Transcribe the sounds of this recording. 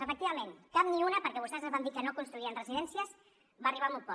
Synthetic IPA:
əfək̚t̪iβəmenkap̚niunəpəɾkɛβust̪ɛzaβamd̪ikənokunst̪ɾuiənrəziðɛnsiəz | βaːriβamut̪̚pɔ

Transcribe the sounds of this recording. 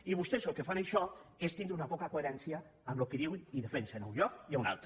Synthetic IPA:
iβust̪ezəlˠkefanaʃɔest̪ind̪ɾunapɔkakoeɾɛnsjaː | mlokeðiwiniðefensenauɲʎɔk̚iauna̰lˠt̪ɾo

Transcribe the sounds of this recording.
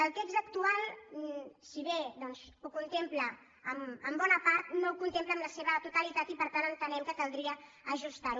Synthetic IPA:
əlˠt̪ekzəkt̪ualˠ | siβed̪ɔnzukunt̪empləː | məmbɔnəpaɾt̪noukunt̪empləːmləseβət̪ut̪əlit̪at̪ipəɾt̪anənt̪ənɛmkəkəlˠd̪ɾiə | əʒust̪aɾu

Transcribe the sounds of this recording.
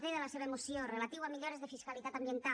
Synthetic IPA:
ðeðelaseβɐemosjorelat̪iwamiʎoɾezðefiskalit̪at̪ambjent̪a

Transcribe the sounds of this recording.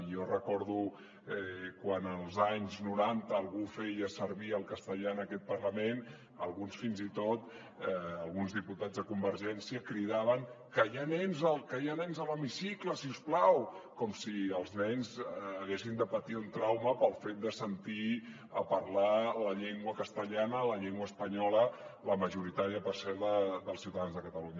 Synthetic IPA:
ijorəkɔɾðu | ɛkwanəlˠzaɲznuɾant̪əːlˠɣufɛjəsəɾβiəlˠkəst̪əʎanəkɛt̪̚pərləmen | əlˠɣunsfinzit̪ot̪ | əlˠɣunzðiput̪ad͡zðəkumbəɾʒɛnsiəkɾiðaβəŋkəjanɛnzəkəeənɛnzələmisikləsiusplawkɔmsiəlˠznɛɲzːɣesind̪əpət̪iunt̪ɾawməpəlˠfet̪̚d̪əsənt̪i | əpəɾlaləʎeŋɡwəkəst̪əʎanələʎeŋɡwəːspəɲɔlələməʒuɾit̪aɾiəpərsɛɾðəðəlˠsiuwt̪əðanzðəkət̪əluɲə

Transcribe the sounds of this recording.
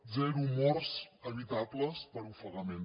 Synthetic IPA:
zɛɾumɔrsəɾit̪abləspəɾufəɣəmen

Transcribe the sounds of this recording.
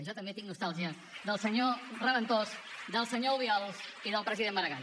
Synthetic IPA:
ʒɔt̪əmbet̪iŋnust̪alˠʒiə | ðəlˠsəɲorəβənt̪osd̪əlˠsəɲouβiɔlˠsiðəlˠpɾəziðemːəɾəɣa

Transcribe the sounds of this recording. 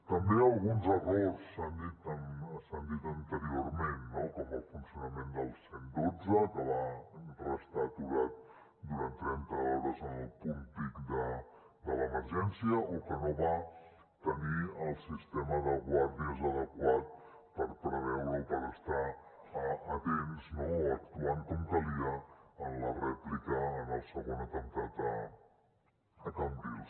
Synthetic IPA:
t̪əmbeəlˠɣunzərossand̪it̪ənsand̪it̪ənt̪əɾioɾmenːokɔməlˠfunsijunəmend̪əlˠsend̪od͡zəkəβapɾəst̪at̪uɣat̪̚ | d̪uɾant̪ːɾɛnt̪əɔɾəzənəlˠpumpikd̪ə | d̪ələməɾʒɛnsiəʔokənoβa | t̪əniəlˠsist̪ɛməðəɣwaɾðiəzəðəkwat̪̚ | pəɾpɾəβɛwɾupəɾəst̪aː | t̪ensnoək̚t̪uaŋkoŋk̪əliəənlərɛplikəːnəlˠsəɣonət̪əŋk̪at̪ə | k̪ambius

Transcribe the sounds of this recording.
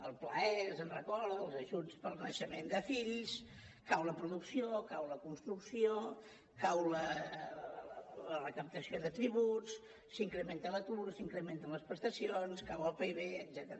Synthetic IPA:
əlˠplaɛzənrəkɔləlˠzəʒut͡spəlˠnəʃəmend̪əfilis | kawləpɾuðuksiokawləkunst̪ɾuksio | kawlə | lərəkəp̚t̪əsioðət̪ɾiβut͡s | siŋkɾəment̪ələt̪uɾsiŋkɾəment̪ənləspɾəst̪əsionskawəlˠpeiβeəd̪zɛt̪əɾə

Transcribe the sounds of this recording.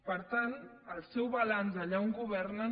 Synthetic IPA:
pəɾt̪ant̪əlsɛwβalanzaʎawŋɡuβɛɾna

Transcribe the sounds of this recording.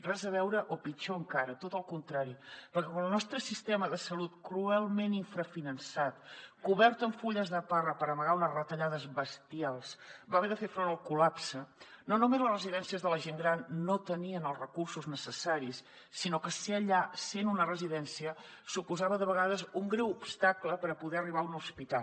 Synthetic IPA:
razəβɛwɾəʔopit͡ʃoəŋkaɾət̪ot̪əlˠkunt̪ɾaɾipəɾkɛkaəlˠnɔst̪ɾəsist̪ɛməðəsəlut̪kɾuɛlˠmeniɱfɾəfinənsat̪kuβɛɾt̪əɱfuʎəzðəparəpəɾəməɣaunəzrət̪əʎaðəzbəst̪ialˠsbaβɛðəfefɾonəlˠkulapsənonumezləszrəziðɛnsiəzðələʒeŋɡɾanːot̪əniənəlˠzrəkursuznəsəsaɾisː | inokəseəʎasenunərəziðɛnsiə | supuzaβəðəβəɣaðəzuŋɡɾɛwupst̪akləpəɾəpuðɛəriβ̞aunuspit̪a

